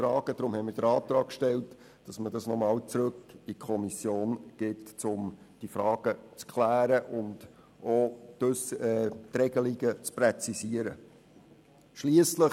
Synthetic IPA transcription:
fɾɑːɡ̥əd̥ɾʊmhɛɪmɪːɾd̥əɾɑːt̪ɾɑːkʃtɛlt | d̥ɑsmədɑsnɔmɑːlt͡sɾɵkikʰɔmisjoːnɡ̥ɪtt͡sʊm | d̥ifɾɑːɡ̥ət͡skʰlæːɾəʔʊnd | ʔɔtɵstrɛɡ̥əliɡət͡sprɛt͡sisiəɾə | ʃliəslə

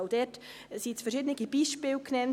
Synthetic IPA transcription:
dɛt | sisfəɾʃɪːdənɪɡib̥iːʃpɪːlkʰnɛn

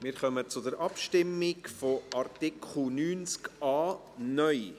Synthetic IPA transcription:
mɪːɾχœmət͡sʊd̪əɾʔɑpʃtɪmːɪkfɔɑrtɪkʰχl̩nyːnskɑː | nœʏ

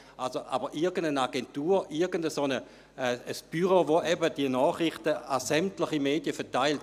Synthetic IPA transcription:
alsoʔabɐʔɪɐɡəndənaɡɛntuːʔɪɐɡəndəsonə | əsb̥yʁəʋoʔɛbədiənɔːχʁɪχtəasɛmtlɪχimeːdjəfɛɐtaɪlt

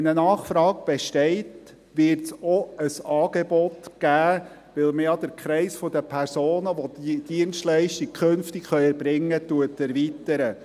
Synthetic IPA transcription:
ɛnənɑːχfɾɑːɡ̚b̥eʃtɛɪt | ʋɪɾtsɔəsɑːɡ̥ebɔtɡ̥æː | ʋɪlməjɑd̪əɾkχɾɛɪsfod̪əpʰɛrsoːnəʋod̪id̥iənstlɛɪʃtik̚kʰχønftɪkχœʏɛɾbɾɪŋːətuətːæɾvitəɾə

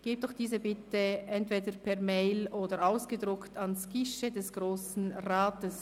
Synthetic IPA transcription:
ɡ̥eːp̚d̥ɔxd̥iːzəbɪtəʔɛntv̥eːdəpʰɛɐmeɪlʔoːdəɾaʊsɡ̥ədʁʊktʰɑnskɪʃədɛsɡ̥ʁoːsn̩ʁaːtəs

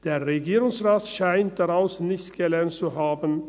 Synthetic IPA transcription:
d̥eːɐʁeɡiːʁʊŋsʁaːtʃaɪnt̚d̥aʁaʊsnɪçtɡ̥əlɛɐntt͡suɦaːbən

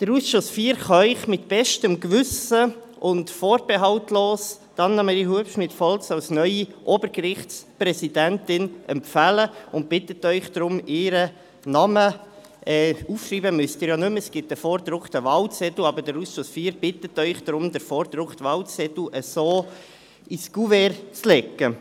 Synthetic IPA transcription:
d̥əɾusʃʊsfiːɾχɑœʏχmɪtb̥ɛʃtəmkvʏsə | ʊntfɔːɾbɛɦɑʊtloːs | d̥ɑnːɑmɛɾiɦuəpʃmɪtfɔlsɑʊsnœʏiʔoːbəɾɡɾɪχtspɾɛsidæntɪnʔɛmpfæləʊnt̚b̥ɪtətœʏχd̥ɾʊmɪɾə | nɑmə | ɛːuːfʃriːbəmʏstiːɾjɑnʉmɛsɡ̥ɪt̚əfɔːɾdɾʊktəvɑlt͡sɛt̪l̩ɑbəd̥əɾusʃʊsfiːɾb̥ɪtətœʏχd̥ɾʊmdəɾfɔːɾd̪ɾʊktvɑlt͡sɛtl̩əsoː | isɡ̥uvɛɾt͡slɛkːə

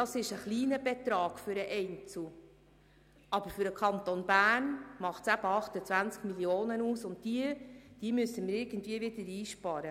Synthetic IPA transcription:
dɑsɪʃəχliːnəbɛt̪ɾɑːɡ̥fʏɾəʔɛɪnt͡su | ɑb̥əɾfʏɾəkχɑnt̪onbæːnmɑχtsæb̥əɑχtət͡sʋvænt͡skmiljoːnənuːsʊnt̚diəd̥iəmʏsːəmɪɾɪɾɡ̥ən̩tviəvɪdəɾiːʃpɑːɾə

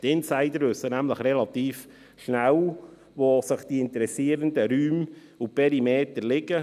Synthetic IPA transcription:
t̪ɪnsaɪdəɾvʏsənæmləχrɛlɑt̪iːf | ʃnæw | ʋosɪχd̥iɪnt̪əɾɛsiːəɾəndəɾyːm | upʰɛɾimeːtərlɪɡə

